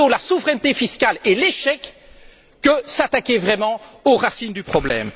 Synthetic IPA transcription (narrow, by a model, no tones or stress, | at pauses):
õlasuvʁɛnt̪efiskʲaleleʃɛkː | əsat̪akʲevʁɛmɑ̃oʁasind̪ypχɔblɛ̰m